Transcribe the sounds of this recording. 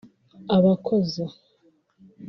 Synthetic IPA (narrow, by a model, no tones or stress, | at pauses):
aβakʰoza